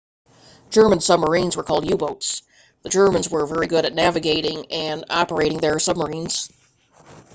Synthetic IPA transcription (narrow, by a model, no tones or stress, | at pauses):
d̥ʒ̥ɜ˞mə̃nsʌb̚mə˞ĩnzwə˞kʰɔlˠdjʉboʊts | ðɨd͡ʒɜ˞mɨ̃nzwə˞vɛɹiɡʊɾɨtⁿnævɨɡeɪɾɪ̃ŋɨ̃nɑ̰pə˞eɪɾɪ̃ŋðə˞sʌb̚mə˞ĩnz̥